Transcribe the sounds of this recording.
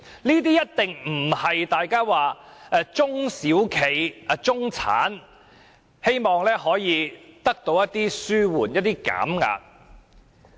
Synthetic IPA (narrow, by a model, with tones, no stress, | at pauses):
niː˥t̪iː˥jɐ˥t̚t̪ɪ˨ŋm̩˨˩hɐ˨jt̪aː˨jkaː˥waː˨ɛ˧t͡sʊ˥ŋsiː˨˥wkʰe˨jt͡sʊ˥ŋt͡sʰa̰ː˨˥n | he˥jmɔː˨ŋlɛː˥ɦɔː˨˥jiː˨˧t̪ɐ˥k̚t̪o˨˧wjɐ˥t̪iː˥syː˥wuː˨˩njɐ˥t̚t̪iː˥ka̰ː˨˥mŋa̰ː˧k̚